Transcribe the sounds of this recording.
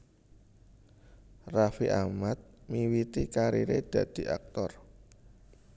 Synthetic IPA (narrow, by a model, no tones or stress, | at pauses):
rafiʔamat̪̚miwit̪ikaɾḭɾed̪̥ä̤d̪̥i̤ʔa̰k̚t̪ɔr